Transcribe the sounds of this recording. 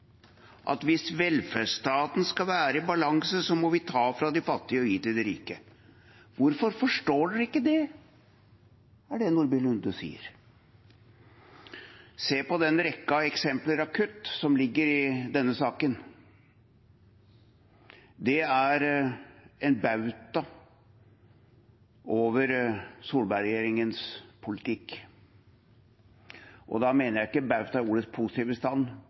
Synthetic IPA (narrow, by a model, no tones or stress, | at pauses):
ʔɑ̰t̪ʋɪsʋɛlfæʂt̪ɑːt̪n̩skɑʋæːɾəɪbɑlɑŋsəsɔmɔʋɪt̪ʰɑːfɾɑd̪ɪfɑt̪ːɪəɔjiːt̪ɪld̪ɛɾḭːkə | ʋʊɾfɔɾfɔʂʈoːɖʉɪkːəd̪ɛ | æɖɛnʊɾbɪlʉnd̪ʉsḭːə̰ɾ | seːpɔd̪ɛnɾɛkːɑɛksɛmpləɾɑkʰʉt̪ːsɔmlɪɡːəɾɪd̪ɛnːəsɑːkən | d̪ɛæɾ | ɛnbɑʉt̪ɑ | oːʋəɾsuːlbɑɾɛjeːɾɪŋənspʰʊlɪt̪ʰɪkː | ʔɔ̰d̪ɑmeːnəɾjæɪɪkːəbɑʉt̪ɑɪuːɾət̪spʰusɪ̥t̪iːʋəst̪ɑnː